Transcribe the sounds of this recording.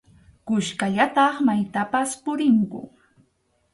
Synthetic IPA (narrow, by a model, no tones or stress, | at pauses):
kʊʃkaʎat̪ɑχmajt̪apaspʊɾɪŋkʊ̰